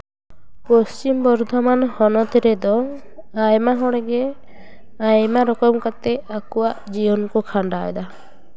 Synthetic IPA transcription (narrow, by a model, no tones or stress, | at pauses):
pɔst͡ʃimbɔɾd̪ʱɔmanhɔnɔt̪ɾɛd̪ɔ | ajmaɦɔɽɛɡɛ | ajmaɾɔkɔmkat̪ɛakuwaʔd͡ʒiwɔnkɔkʰaɳɖaɛd̪a